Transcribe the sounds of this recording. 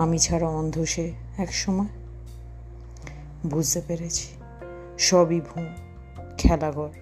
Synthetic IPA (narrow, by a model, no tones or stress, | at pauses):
amit͡ɕʰaɾaɔnd̪ʱoʃe | ɛkʃɔmɔe | bʱud͡ʑt̪epeɾet͡ɕʰi̥ | ʃɔbibʱun | kʰɛlaɡɔɾ